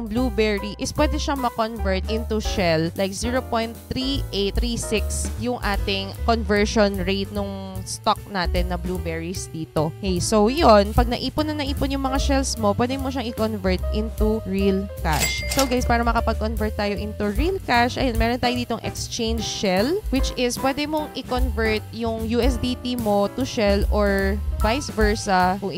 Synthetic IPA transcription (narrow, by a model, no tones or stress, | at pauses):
ɐŋbluːbɛɹiʔɪspwɛːd̪ɛʃamɐkonvɛɹt̪̚ʔɪnt̪uʃɛllajk̚ziːɹopojnt̪ːɾiʔet̪ːɾisɪksjʊŋʔa̰ːt̪ɪŋkonvɛɹʃonɹet̪̚nʊŋst̪ok̚naːt̪ɛnːɐblubɛɹisd̪iːt̪okejsowjonpɐɡ̚nɐʔiːpʊnːɐŋnɐʔiːponjʊŋmɐŋaʃɛlsmo̞pwɛːd̪ɛmoʃɐŋʔɪkonvɛɹt̪̚ʔɪnt̪uɹilka̰ʃsowɡajspaːɾɐmɐkɐpɐɡ̚konvɛɹt̪̚ːaːjoʔɪnt̪uɹilkaʃʔɐ̰jonmɛːɾont̪aːjod̪iːt̪o̞ŋʔɛ̰kst͡ʃẽjnd͡ʒʃɛlwɪt͡ʃɪspwɛːd̪ɛmoŋʔɪkonvɛɹt̪̚jʊŋjuːʔɛsd̪it̪imo̞t̪ʊʃɛlʔoɹvajsvɛɹsɐkʊŋɪ